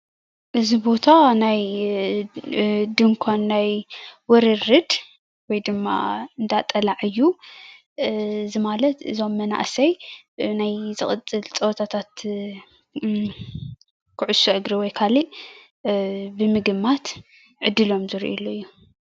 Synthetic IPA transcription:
ʔɨzibo̞t̪ʰanaj | d̪ɨŋkʷʰanːajwɔɾɨɾːɨd̪ | wɔjd̪ɨmːa̰ɨnd̪at̪ʼɐlaʕɨjːu | ɨzimalɐt̪ʔɨ̰zo̞mːɐna̰ʔsɐjnajzɨχʼɨt͡sʼːɨlt͡sʼɐwt̪ʰat̪ʰat̪ | kʰɨʕʊsoʔɨɡɾiwɔjkʰaliʔ | bɨmɨɡɨmːat̪ | ʕɨd̪ːɨlo̞mzɨɾ̰ʔḭloɨjːu

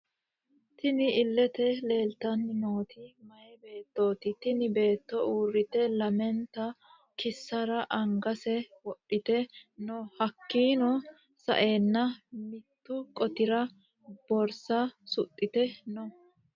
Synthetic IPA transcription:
t̪ɪnɪɪlːɛt̪ɛle̞ːlt̪ɐnːɪnoːt̪ɪmɐjɛbe̞ːt̪ːo̞ːt̪ɪt̪ɪnɪbe̞ːt̪ːɔuːrːɪt̪ɛlɐmɛnt̪ɐ | kɪsːɐɾɐʔɐŋɡɐsɛwɔɗːɪt̪ɛnɔhɐkːiːnɔ | sɐ̰ʔe̞ːnːɐmɪt̪ːʊkʼɔt̪ɪɾɐ | b̥ɔɾsɐsʊt̪ʼːɪt̪ɛnɔ

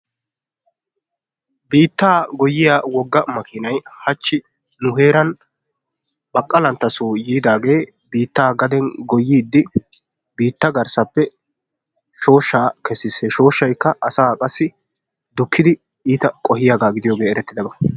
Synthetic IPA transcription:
biːt̪ːaːɡɔjːɪjawɔɡːɐmɐkʰɪnɐjhɐt͡ʃːɪ | nʊɦeːɾɐn | bɐkʼːɐlɐnt̪ːɐsuːjiːd̪aːɡe̞ː | biːt̪ːaːɡɐd̪ɛnɡɔjːiːd̪ːɪ | biːt̪ːɐɡɐɾsɐpːɛ | ʃo̞ːʃːaːkɛsːɪseʃo̞ːʃːɐjkːɐʔɐsaːkʼɐsːɪ | d̪ʊkʰːɪd̪ɪ | iːt̪ɐkʼɔhɪjaːɡaːɡɪd̪ɪjoːɡeːɛɾɛt̪ːɪd̪ɐbɐ

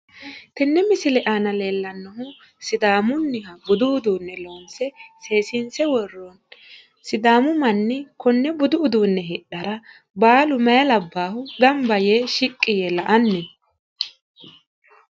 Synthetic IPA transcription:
t̪ɛnːɛmɪsɪlɛʔaːnɐle̞ːlːɐnːɔɦʊ | sɪd̪aːmʊnːɪɦɐbʊd̪ʊʊd̪uːnːɛlo̞ːnsɛse̞ːsɪnsɛwɔrːɔn | sɪd̪aːmʊmɐnːɪkɔnːɛbʊd̪ʊʊd̪uːnːɛɦɪɗɐɾɐ | baːlʊmɐjɐlɐbːaːhʊd̪ɐmbɐjeʃɪkʼːɪjɛlɐʔɐnːɛ

